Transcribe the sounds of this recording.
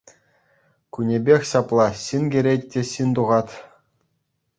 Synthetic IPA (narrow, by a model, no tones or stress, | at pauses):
kunʲebʲexʲɕɑplˠɑɕinɡʲĕɾʲetʲːĕɕint̪uʁɑt̪ʲ